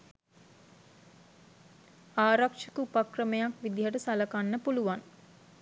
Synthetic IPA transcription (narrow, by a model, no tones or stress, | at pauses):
aːɾakʂəkəupakrəmejakʋid̪iɦəʈəsaləkanːəpuluʋan